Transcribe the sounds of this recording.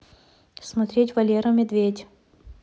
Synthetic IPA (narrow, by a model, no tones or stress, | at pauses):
smɐt̪ɾʲetʲvɐlʲeɾəmʲɪd̪vʲetʲ